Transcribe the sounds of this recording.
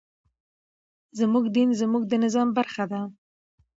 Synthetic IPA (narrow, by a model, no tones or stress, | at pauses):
zmuɡd̪inzmuɡ̚d̪ənɪzɑmbaɾxad̪a